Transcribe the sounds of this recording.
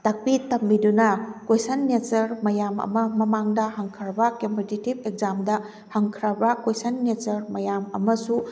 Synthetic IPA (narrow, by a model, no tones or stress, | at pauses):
tɐk̚pitɐmːidunɐkwejsɐnːet͡ʃɐɾmɐjamɐ̰mɐmɐmaŋdɐhɐŋkʰɐɾbɐkempititib̚ek̚zamdɐ | hɐŋkʰɾɐbɐkejsɐnːet͡ʃɐɾmɐjamɐmɐsu